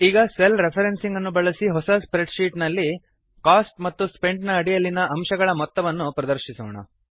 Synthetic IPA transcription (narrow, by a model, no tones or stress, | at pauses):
iːɡɐselɾepʰɐɾensiŋɡɐnːubɐɭɐsiɦɔsɐspɾeɖʃiːʈnɐlːi | kaːsʈ̚mɐt̪ːuspe̞ɳɖnɐːɽijɐlːinɐʔɐmʃɐɡɐɭɐmɔt̪ːɐʋɐnːupɾɐd̪ɐɾʃisɔːɳɐ̰